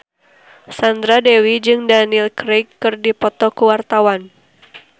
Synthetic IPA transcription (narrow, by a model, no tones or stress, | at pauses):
sand̪ɾadɛwid͡ʒɨŋdanilkɾekːɨrdipɔt̪ɔkuwart̪awan